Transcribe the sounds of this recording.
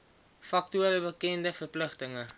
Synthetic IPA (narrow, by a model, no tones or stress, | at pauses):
fɐk̚tuəɾəbəkɛndəfərpləχtəŋə